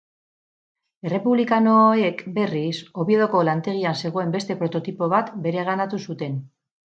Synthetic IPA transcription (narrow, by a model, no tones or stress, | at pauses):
e̞re̞puβlikano̞ekbe̞riso̞βie̞ð̞oko̞lant̪e̞ɣ̞ianse̞ɣ̞o̞e̞mbe̞st̪e̞pɾo̞t̪o̞t̪ipo̞β̞at̪be̞ɾe̞ɣanat̪usut̪e̞n